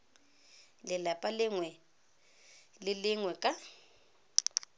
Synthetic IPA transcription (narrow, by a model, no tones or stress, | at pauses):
lɪlapʼalɪŋwɛ | lɪlɪŋwɛkʼa